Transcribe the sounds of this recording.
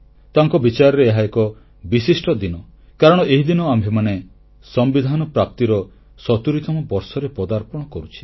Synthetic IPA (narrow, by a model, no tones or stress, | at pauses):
t̪aŋkɔbit͡ʃaɾɔɾeeɦaekɔ | bisisʈɔd̪inɔ | kaɾɔɽ̃ɔʔeɦid̪inɔambʱemane | sɔmbid̪ʱanɔpɾap̚t̪iɾɔ | sɔt̪uɾit̪ɔmɔbɔɾsɔɾepɔd̪aɾpɔɽ̃ɔkɔɾut͡ʃʰi̥